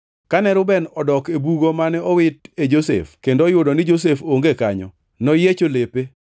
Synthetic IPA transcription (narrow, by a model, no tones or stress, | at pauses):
kanɛɾʊbɛnɔdɔkebuɡomanɛɔwɪted͡ʒosḛfkendojʊdɔnɪd͡ʒos̬efoŋɡekaɲɔ̰ | nɔjet͡ʃolepe